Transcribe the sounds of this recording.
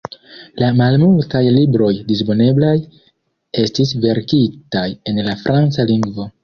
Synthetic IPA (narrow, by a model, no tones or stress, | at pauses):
lamalmultajlibɾo̞jdis̬po̞ne̞blaj | e̞stisve̞ɾkitaje̞nlafɾʔant͡saliŋɡvo̞